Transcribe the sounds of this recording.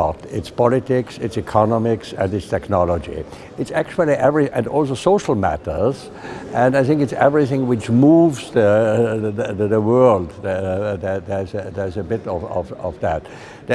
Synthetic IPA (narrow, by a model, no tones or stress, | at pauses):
tɪtspʰɑlˠɨtɪksɪtsɨkʰɑnɑmɪksɨ̃nɨtstʰɛknɑləd͡ʒḭ | ɨtsæk̚t͡ʃul̩ˠiʔɛvɹiʔɨ̃nɔlˠs̬oʊsoʊʃl̩ˠmæ̰ɾə˞z̥ | ʔɨ̃naɪθɪ̃ŋkɨtsɛvɹiθɪ̃ŋwɪt͡ʃmuvzðə | ðəwɜ˞lˠd̪ððəðəzðə˞zɨbɪɾʌvʌvʌ̰vðæt̚ | ð